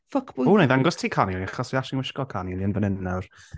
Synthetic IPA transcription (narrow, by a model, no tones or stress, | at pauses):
fəkʰb̥ʊunejðaŋɡɔstʰiːkʰaniliaχɔsiaʃɪnwɪʃkɔlkʰanilˠiənvənɪnnawr